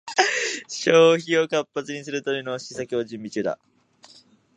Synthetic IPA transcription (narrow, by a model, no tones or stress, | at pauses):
ɕo̞ːçio̞kapːat͡sɨɲ̟is̬ɨɾɯ̟t̪oɾʲino̞ɕisakʲo̞ːd͡ʑɨ̃mbʲit͡ɕɨːd̪a̰